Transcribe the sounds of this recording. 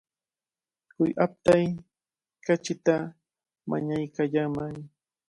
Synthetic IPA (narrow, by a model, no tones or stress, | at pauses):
kʊjʔap̚t̪aj | kat͡ʃɪt̪a | ma̰ɲajkaʎamaŋ